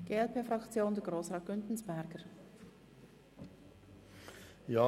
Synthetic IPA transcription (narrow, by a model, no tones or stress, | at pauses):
ɡ̥eːɛlpʰeːfɾɑkt͡sjoːndɛɡʁoːsʁɑːt̚ɡ̥ʏntn̩sb̥ɛɾɡ̥əɾ | jɑː